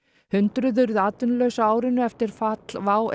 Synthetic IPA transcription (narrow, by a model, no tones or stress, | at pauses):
hʏnt̪ɾʏðʏɾðaːt̪ʏnlœɥsaːwɾɪnʏɛft̪ɪɾ̥fat̪l̥vaːw